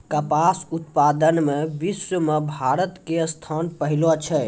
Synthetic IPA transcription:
kəpasut̪pad̪ənmebiswəmebʱaɾət̪kest̪ʰanpəɦilot͡ʃʰɛ

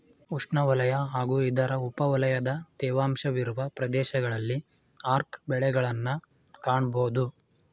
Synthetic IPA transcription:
uʂɳɐʋɐlɐjɐɦaːɡuːid̪ɐɾɐupɐʋɐlɐjɐd̪ɐt̪ɛːʋaːmʃɐʋiɾuʋɐpɾɐd̪ɛːʃɐɡɐɭɐlːi | aːɾkbɛɭɛɡɐɭɐnːɐ | kaːɳboːd̪u

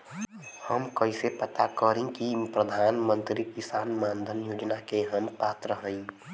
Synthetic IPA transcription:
həmkəisepət̪akəɾẽkipɾəd̪ʱaːnmə̃nt̪ɾikɪsaːnmaːnd̪ʱənjoːd͡ʒnakeɦəmpaːt̪ɾəɦə̃ĩ

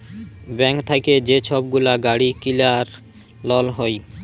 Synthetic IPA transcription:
bɛŋkt̪ʰaked͡ʑet͡ɕʰɔb̚ɡulaɡaɽikilaɾ | lɔlɦɔj

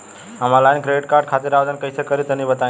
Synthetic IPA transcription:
ɦamalainkɾeɖiʈkaɾɖkʰat̪iɾaʋd̪ənkəjsʰekəɾit̪ənibət̪a

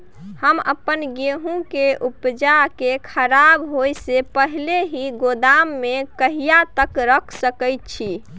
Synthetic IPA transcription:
həmə̰pənɡeɦũkeʔupd͡ʒakekʰəɾabɦojsepəɦileɦiɡod̪amːekəɦijat̪əkɾəkʰsəkəjt̪̚t͡ʃʰi

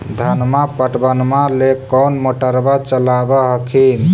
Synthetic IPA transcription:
d̪ʱanmapəʈbənmalekɔnmoʈəɾbat͡ʃəlabəɦəkʰin

